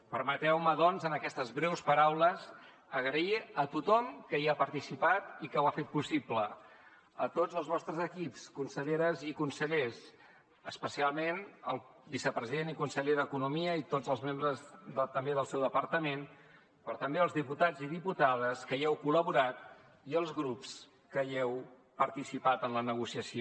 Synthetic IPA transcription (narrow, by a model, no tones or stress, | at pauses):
pəɾmət̪ɛwməðɔnzənəkɛst̪əzβɾɛwspəɾawləz | əɣɾəiət̪ut̪ɔmkəiapəɾt̪isipat̪ikəwafet̪̚pusiplə | ət̪od͡zəlˠzβɔst̪ɾəzəkipskunsəʎeɾəzikunsəʎes | əspəsialˠmenəlˠbisəpɾəziðenikunsəʎeðəkunumiəit̪od͡zəlˠzmembɾəzðt̪əmbeðəlˠsɛwðəpəɾt̪əmen | pɾɔt̪əmbeəlˠzðiput̪ad͡ziðiput̪að̞əskəiɛwkuləβuɾat̪̚ | iəlˠzɣɾups | kəɛw | pəɾt̪isipat̪ənlənəɣusiəsio